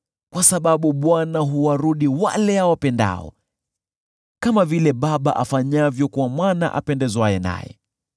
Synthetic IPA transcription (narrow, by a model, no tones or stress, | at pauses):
kwasaɓaɓuɓwanaɦuwaɾuɗiwa̰lɛhawapɛnda̰ɔ̰ | kamavilɛɓaɓaʔafaɲavjɔkuwamwana̰ʔa̰pɛndɛzwajɛna̰jɛ̰